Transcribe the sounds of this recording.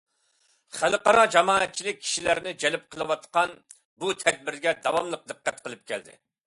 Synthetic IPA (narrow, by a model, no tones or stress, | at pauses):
χælqɑɾɑd͡ʒɑmɑːɛt̪̚t͡ʃʰilɪk̚ʲʰːi̥ʃilæɾnɪd͡ʒɛlɪp̚qʰəlˠɨwɑt̪qɑn | but̪ʰɛd̪̚bɪɾɡʲɛd̪ɑwɑmlˠəq̚d̪ɨqːæt̪̚qʰəlˠɨp̚kʲɛ̰ld̪ɪ̰